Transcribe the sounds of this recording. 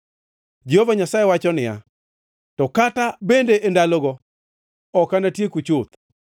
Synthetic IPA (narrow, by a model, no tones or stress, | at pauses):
d͡ʒihovaɲasajewat͡ʃɔnɪja̰ | tɔkatabendeʔendalɔɡɔ | ɔkanatjekut͡ʃot̪̚